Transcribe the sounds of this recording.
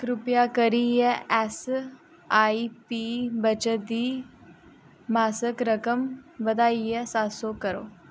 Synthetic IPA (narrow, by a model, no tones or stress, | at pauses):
kɾʊpjakəɾiːjɛɛs | aːipiːbət͡ʃəd̪iː | maːsəkɾəkəmʋəd̪aːijesaːsoːkəɾo̰ː